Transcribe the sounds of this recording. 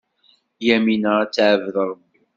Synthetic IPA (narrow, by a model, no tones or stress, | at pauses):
jæminəɾat͡sːʕəvðɾˤəbːi